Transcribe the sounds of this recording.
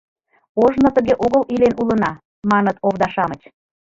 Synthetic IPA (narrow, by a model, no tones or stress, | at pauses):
oʒnɤ̆t̪əɣeʔoɣəlʔilenulənɑ | mɑnət̪oβd̪ɑʃɑmət͡ɕ